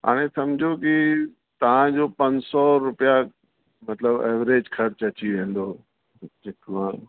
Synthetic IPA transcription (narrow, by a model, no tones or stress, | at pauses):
ɦa̰ːɽ̃ẽsɐmd͡ʑʱoki | t̪ɐʋ̤ãd͡ʑoːpɐ̃ɲsɔɾʊpija | mɐt̪ləbḛːʋɾeːd͡ʑkʰɐɾt͡ɕɐt͡ɕiʋẽːn̆d̪oː | d͡ʑekʋã